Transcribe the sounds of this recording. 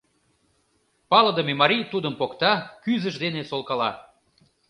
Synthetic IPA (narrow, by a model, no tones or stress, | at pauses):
pɑlə̆d̪əmemɑɾijt̪ud̪əmpokt̪ɑkyzəʒd̪enesolkɑlɑ